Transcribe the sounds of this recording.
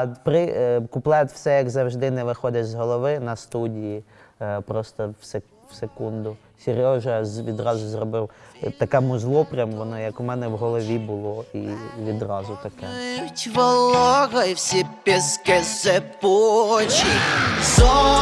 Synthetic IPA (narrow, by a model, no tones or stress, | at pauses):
pɾɪkʊplˠɛt̪ʲw̥sɛjɐɡzɐwʒd̪ɪnɛʋɪxɔd̪ʲɪt͡ʃzɦɔlˠɔʋɪnɐst̪udʲijipɾɔst̪ɔwse | wsekund̪ʊ | sʲeɾʲɔʒɐʋʲid̪rɑzʊzrɔbɪwt̪ɐkɛmʊzlˠɔpɾʲɐmʋɔnɔjɐkʊmɛnɛwɦɔlˠɔʋʲibʊlˠɔiʋʲid̪rɑzʊt̪ɐkɛtʲʋɔlˠɔɣɐwsʲipʲɛskɛsepɔt͡ʃizɔ